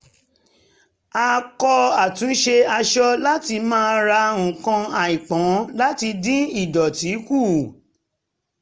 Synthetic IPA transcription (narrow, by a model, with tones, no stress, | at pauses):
a˧kɔ˧a˨tũ˨˦ʃe˧a˧ʃɔ˦la˦ti˧mãː˦˧˦ɾa˧ũ˨kã˧a˨ĩ˨k͡pɔ̃˨˦la˦ti˧dĩ˦i˦˨dɔ˨ti˨˦ku˦˨